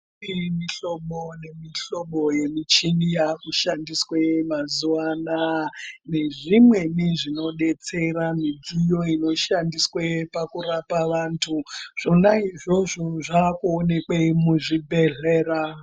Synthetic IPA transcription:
imiɬo̞ɓonemiɬo̞ɓo̞je̞mit͡ʃinijakuʃandiswemazuwanane̞ʐimwe̞miʐino̞ɗe̞t͡se̞ɾamid͡zijo̞ino̞ʃandiswepakurapaʋantʰuʐ̥onaiʐo̞ʐoʐakuone̞kwemuʐibʱe̞ɮeːra

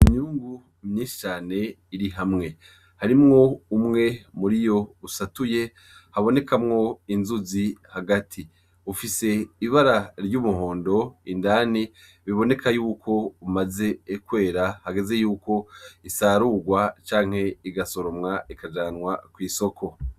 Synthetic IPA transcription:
imɲuːŋɡu | mɲiːnʃi̥t͡ʃaːne̞ | iɾiɦamŋe̞ | haɾimŋo̞umŋe̞muɾijo̞usatuje̞ | haβo̞ne̞kʰamŋo̞inzuzihaɡatʰi | ufise̞iβaɾaɾɟuːmuho̞ːndo̞indaːni | βiβo̞ne̞kʰajuːkʰo̞umaze̞ːkwe̞ːɾahaɡe̞ze̞juːko̞isaːɾuɡwat͡ʃaːŋ̥he̞iɡaso̞ɾo̞mŋaikad͡ʒaːnŋwakwiːso̞kʰo̞

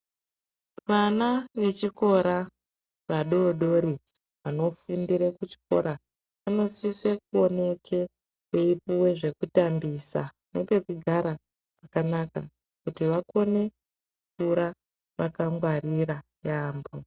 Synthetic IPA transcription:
ʋanaʋe̞t͡ʃiko̞ɾa | ʋaɗo̞ɗo̞ɾi | ʋano̞fundiɾekut͡ʃi̥ko̞̰ɾa | ʋano̞sisekuo̞ne̞kʰe̞ | keipuwe̞ʐe̞kutambisa | nope̞kuɡʱaɾa | ʐakanaka | kutiʋako̞ne̞ | utuɾa | ʋakaŋɡwariɾa | jaːmbo

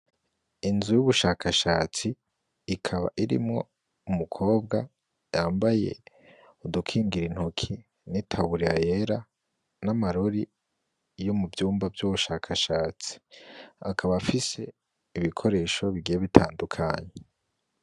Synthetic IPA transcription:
inzujuβuʃaːkʰaʃaːt͡siː | kʰaβa̰ʔiɾḭmŋo̞̰ | umukʰo̞ːbɡa | jaːmbaje̞̰ | udukʰiːŋɡiɾin̥hokʰi | nitʰaβuɾiajeɾa | namaɾo̞ɾi | jomubjuːmbavjuβuʃaːkʰaʃaːt͡si̥a̰kʰaβaːfise̞ | iβikʰo̞ɾe̞ːʃo̞βiɡijeβitʰaːndukʰa̰ɲe

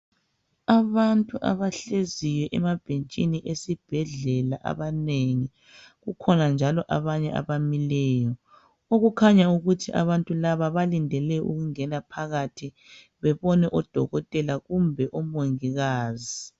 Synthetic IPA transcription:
aβantʼuʔa̰βaɬeziwɛʔɛmab̥ʱent͡ʃʼiniʔesib̥ʱɛɮɛlaʔa̰βaneŋi | ɣukʰɔnand͡ʒʱalɔʔa̰βaɲɛʔa̰βamilɛːjɔ | oɣukʰaɲauɣutʰiʔa̰βantʼulaβaβalindʱɛlɛʔṵɣuŋɛnapʰaɣatʰi | βɛβɔnɛʔɔd̥ʱɔ̰ɣɔtʼɛlaɣumbʱɛʔɔmoŋiɣaːzi

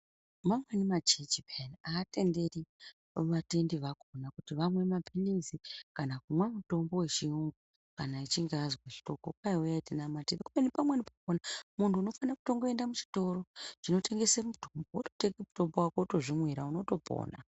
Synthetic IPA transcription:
mamwenimat͡ʃet͡ʃipenaːte̞nde̞ri | ʋate̞ndiʋako̞nakutiʋamwe̞mapʰinizikanak̚umwemuto̞mbo̞wet͡ʃiuŋɡu | kanait͡ʃiŋɡazwaʃi̥to̞kokaiwejatinamatedekumenipamwenipakonamuntʰuːno̞fanakuto̞ŋɡoendamut͡ʃi̥to̞ɾo̞t͡ʃino̞te̞ŋɡe̞semutombooto̥tekɡemuto̞mbowakoto̞ʐimwiɾauno̞to̞po̰ːna̰

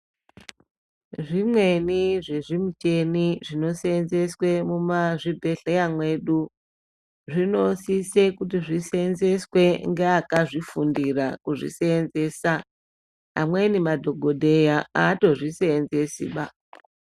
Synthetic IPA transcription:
ʐimwe̞niʐe̞ʐimut͡ʃe̞niʐino̞seːnze̞swe̞mumaʐibʱe̞ɬejamwe̞ɗu | ʐino̞sise̞kut̬iʐisenze̞swe̞ŋɡeakaʐifundirakuʐḭseːnze̞ːsa | a̰mwenimadʱo̞ɡʱo̞dʱe̞jaaːto̞ʐiseːnze̞sḭɓa

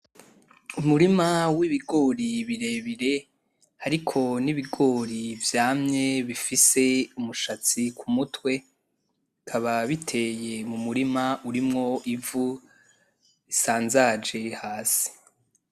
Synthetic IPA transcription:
umuɾimawiβiɡo̞ːɾiβiɾe̞βiɾe̞ | haɾikʰo̞niβiɡo̞ːɾivjaːmɲe̞βifise̞umuʃat͡sikʰumutwe̞ | kʰaβaβitʰe̞ːje̞mumuɾimauɾimŋo̞ʔivu | isaːnzad͡ʒe̞haːsi̥

